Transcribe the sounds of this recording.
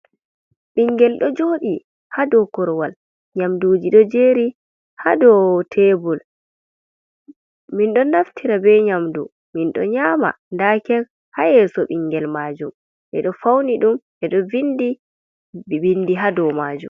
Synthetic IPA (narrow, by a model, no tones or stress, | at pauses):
ɓiŋɡɛlɗɔd͡ʒoːɗi | hadɔkɔɾwal | ɲamduːd͡ʒiɗɔd͡ʒeːɾi | hadɔtʰɛbɔl | minɗɔnaftʰiɾabɛɲamdṵ | minɗɔ̰ɲaːma̰ | ndaːkɛl | hajɛsɔɓiŋɡɛlmaːd͡ʒum | ʔɛ̰ɗɔfawniɗumʔɛɗɔvindi | bindiɦadɔmad͡ʒṵm